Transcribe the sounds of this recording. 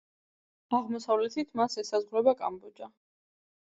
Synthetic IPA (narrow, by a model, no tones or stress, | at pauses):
aʁmɔsavlɛt̪ʰit̪ʰmasɛsazʁɾɛbakʼa̰mbɔd͡ʒa